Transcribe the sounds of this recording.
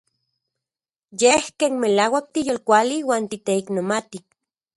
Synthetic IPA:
jehkeːnmelaːwak̚t̪ijolkʷaliwaːnt̪it̪eiknomat̪i

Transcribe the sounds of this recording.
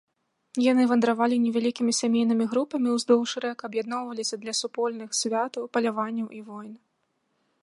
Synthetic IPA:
janɨvɐnd̪ɾavalʲinʲɛvʲalʲikʲimʲisʲamʲejnɨmʲiɣɾupɐmʲiwzd̪ɔwʂɨɾɛkɐɐbjad̪̚nɔwvɐlʲisʲɐd̪lʲɐsupɔlʲnɨxsʲvʲat̪ɐwpɐlʲavanʲːɐwʔivɔjn

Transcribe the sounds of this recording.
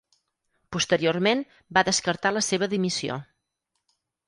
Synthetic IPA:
pust̪əɾiormen | baðəskəɾt̪aləseβ̞əðimisio̰

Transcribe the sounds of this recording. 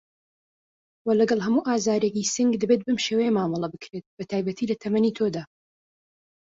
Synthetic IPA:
wɐlɐɡɐlˠɦɐmuːʔaːzaːɾekisɨŋɡd̪ɐbet̪̚bɨmʃewejɛmaːmɐlˠɐbɨkɾet̪̚b̥ɐt̪ʰaːjbɐt̪ʰiːlɐt̪ʰɐmɐniːt̪ʰod̪aː

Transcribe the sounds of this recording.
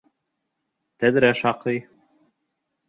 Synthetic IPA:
t̪æðɾæʃɑqɤj

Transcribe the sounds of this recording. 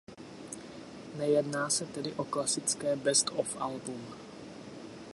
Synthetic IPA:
nɛjɛdnaːsɛt̪ɛdɪʔo̞klasɪt͡skɛːbɛst̪ofʔa̰lbum

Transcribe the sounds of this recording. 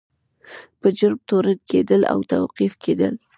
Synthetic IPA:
pəd͡ʒʊɾb̚t̪oɾəd̪kʰed̪əla̰wt̪awqifkʰed̪ə̰l

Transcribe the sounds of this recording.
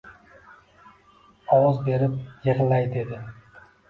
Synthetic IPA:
ɒwɒzbe̞ɾɪp̚jeʁlajd̪e̞d̪ɪ

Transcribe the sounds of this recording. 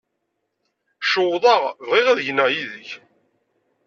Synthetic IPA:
ʃowðˤɑʁvʁiʁæðʝnæjiðəç

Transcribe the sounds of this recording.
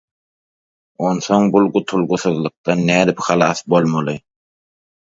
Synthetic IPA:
o̞nθo̞ŋbulˠɢut̪ʰulˠɡuθɯðlˠɯq̚t̪ɑnːæːd̪ipxɑlˠɑːθbo̞lˠmɑlˠɯ

